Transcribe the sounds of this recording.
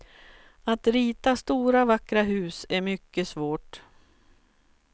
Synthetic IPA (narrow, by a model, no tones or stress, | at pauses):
at̪ɾiːt̪ast̪uːɾavakːɾaɦʉ̟ːsæɾmʏkːəsvoːʈ